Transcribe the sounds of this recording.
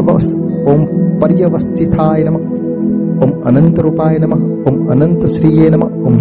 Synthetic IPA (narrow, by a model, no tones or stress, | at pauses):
ʋɐ̰s | oːmpɐɾjɐʋɐst͡ʃ̪it̪ʰaːjɐnɐmɐ | oːmɐ̰nɐnt̪ɐɾupaːjɐnɐmɐ | omɐ̰nɐnt̪ɐsɾiːjeːnɐmɐ̰ | om